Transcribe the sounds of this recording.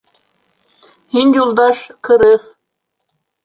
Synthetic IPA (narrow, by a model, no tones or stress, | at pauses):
hinʲjulˠd̪ɑʃkʰɯɾɯf